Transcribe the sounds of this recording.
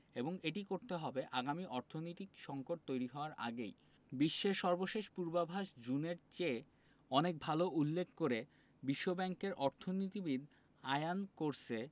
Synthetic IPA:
eboŋeʈikoɾt̪eɦɔbeʔaɡamiʔɔɾt̪ʰonojt̪ikʃɔŋkoʈ̚t̪ojɾiɦɔoaɾʔa̰ɡḛj | biʃːeʃɔɾboʃeʃpuɾbabʱaʃd͡ʑuneɾt͡ɕe | ɔnek̚bʱaloʔulːekʰkoɾe | biʃːobɛŋkeɾʔɔɾt̪ʰonit̪ibid̪ | ajankoɾt͡ɕʰe

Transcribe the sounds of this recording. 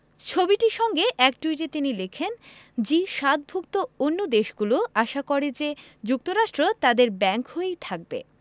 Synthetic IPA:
t͡ɕʰobiʈiʃɔŋɡeʔɛk̚ʈuijʈet̪inilekʰend͡ʑiʃat̪̚bʱuk̚t̪oonːod̪eʃɡuloaʃakɔɾed͡ʑe | d͡ʑuk̚t̪oɾaʃʈɾot̪ad̪eɾbɛŋkɦoejt̪ʰak̚bḛ

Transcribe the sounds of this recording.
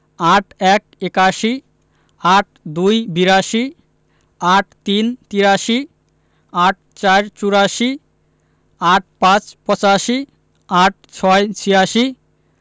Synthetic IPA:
aʈʰɛk̚ekaʃi | aʈ̚d̪ujbiɾaʃi | aʈt̪int̪iɾaʃi | aʈ̚ | t͡ɕaɾt͡ɕuɾaʃi | aʈ̚pãt͡ɕpɔt͡ɕaʃi | aʈ̚t͡ɕʰɔjt͡ɕʰijaʃi

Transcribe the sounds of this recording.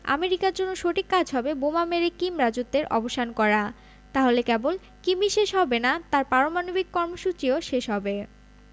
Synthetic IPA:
a̰meɾikaɾd͡ʑonːoʃoʈikːad͡ʑʱɦɔbebomameɾekimɾad͡ʑut̪ːeɾʔɔ̰boʃʰankɔɾa | t̪aɦolekɛbol | kibiʃeʃɦɔbenat̪aɾpaɾomanobikːɔɾmoʃut͡ɕioʃeʃɦɔbe

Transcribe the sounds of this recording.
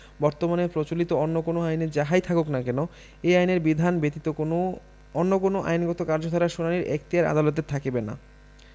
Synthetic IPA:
bɔɾt̪omanepɾot͡ɕolit̪oonːokonoajneɾd͡ʑaɦajt̪ʰakoknakɛno | ejajneɾbid̪ʱanbet̪it̪ooo | onːokonoʔa̰jnɡɔt̪okaɾd͡ʑot̪ʰɔɾaɾʃunaniɾḛk̚t̪iaɾa̰d̪alɔt̪̬eɾt̪ʰakebena̰

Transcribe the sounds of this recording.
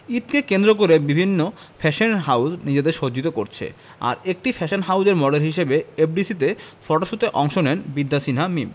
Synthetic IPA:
it̪̚kekend̪ɾok̬oɾebibʱinːo | fʰɛʃonɦawsnid͡ʑed̪eɾʃod͡ʑit̪okoɾt͡ɕʰḛ | a̰ɾek̚ʈifʰɛʃonɦawd͡ʑeɾmɔɖelɦiʃebeep̚ɖisit̪efɔʈoʃut̪eʔɔŋʃonɛnbid̪ːasinamim

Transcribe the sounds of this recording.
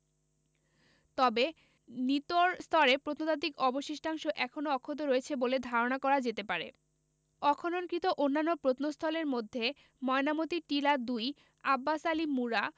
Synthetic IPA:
t̪ɔbe | nit̪oɾst̪ʰɔɾepɾot̪not̪at̪ikɔboʃiʃʈʰaŋʃoʔɛkʰonoɔkʰːod̪oɾoet͡ɕʰeboled̪ʱaɾonakɔɾad͡ʑet̪epaɾḛ | ɔkʰononkɾit̪oʔonːanːopɾot̪nost̪ʰɔleɾmod̪ʱːe | mɔenamot̪iʈilad̪uj | abːasalimːuɾa

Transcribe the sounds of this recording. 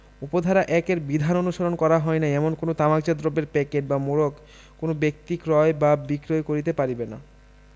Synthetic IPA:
upod̪ʱaɾaʔɛkeɾbid̪ʱanonuʃaɾonkɔɾaɦɔenaɛmonkonot̪amakd͡ʑad̪ɾobːeɾpɛkeʈbamoɾok | konobek̚t̪ikɾɔebabikɾoekoɾit̪̬epaɾibena̰

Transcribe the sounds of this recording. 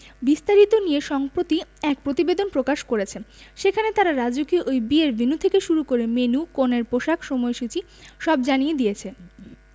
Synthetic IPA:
bist̪aɾit̪onieʃɔŋpɾot̪iɛk̚pɾot̪ibed̪onpɾokaʃkoɾet͡ɕʰeʃekʰanet̪aɾaɾad͡ʑukiʔojbieɾbʱinut̪ʰekeʃuɾukoɾemenukoneɾpoʃakʰʃomɔeʃut͡ɕi | ʃɔbd͡ʑanijed̪ijet͡ɕʰe

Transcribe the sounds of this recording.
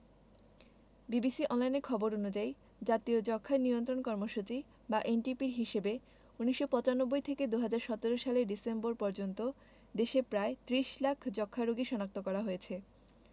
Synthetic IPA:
bibisiʔɔnlajneɾkʰɔboɾonud͡ʑaj | d͡ʑat̪iod͡ʑɔkʰːanijont̪ɾonkɔɾmoʃut͡ɕi | baʔenʈipiɾɦiʃebe | uniʃːopɔt͡ɕanobːojt̪ʰeked̪uɦad͡ʑaɾʃɔt̪eɾoʃaleɖisemboɾpɔɾd͡ʑont̪o | d̪eʃepɾaet̪ɾiʃlakʰd͡ʑɔkʰːaɾoɡiʃɔnak̚t̪okɔɾaɦojet͡ɕʰe

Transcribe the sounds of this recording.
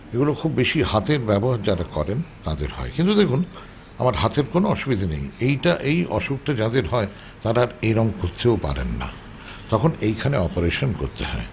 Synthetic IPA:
eɡulokʰubːeʃihat̪eɾbɛboɦaɾd͡ʑaɾakɔɾent̪ad̪ḛɾhɔ̰ekint̪ud̪ekʰun | a̰maɾɦat̪eɾkonoɔʃubid̪ʱinḛjejʈaʔejʔɔ̰ʃuk̚ʈad͡ʑad̪eɾɦɔe | t̪aɾaɾeɾɔŋkoɾt̪ʰːeopa̰ɾḛnːa̰ | t̪ɔkʰonejkʰaneɔpoɾeʃonkoɾt̪eɦɔe

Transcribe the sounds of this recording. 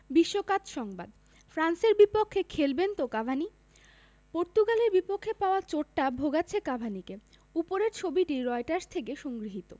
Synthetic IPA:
biʃːokat̪ʃɔŋbad̪ | fɾanseɾbipokʰːekʰelbent̪okabʱani | poɾt̪uɡaleɾbipokʰːepaoat͡ɕoʈʈabʱoɡat͡ɕʰekabʱanike | upoɾeɾt͡ɕʰobiʈiɾɔeʈaɾst̪ʰekeʃoŋɡɾiɦit̪o

